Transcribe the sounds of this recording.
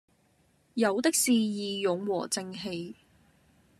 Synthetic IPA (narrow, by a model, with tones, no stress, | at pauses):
jɐ˨˧wt̪ɪ˥k̚siː˨jiː˨jʊ˨˧ŋwɔ̰ː˨˩t͡sɪ˧ŋɦe˧j